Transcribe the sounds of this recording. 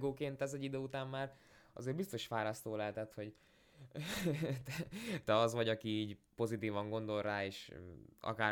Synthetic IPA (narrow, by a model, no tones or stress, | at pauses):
ɡoːkeːnt̪ɛzɛɟːid̪øːut̪aːmːaːr | ɒ̰zeːrbist̪o̞ʃfaːɾɒst̪oːlɛɦɛt̪ɛt̪ho̞ɟ | t̪ɛt̪ɛɒzʋɒɟɒkiiːɟpo̞zit̪iːvɒŋɡo̞nd̪o̞lraːeːʃɒ̰kaː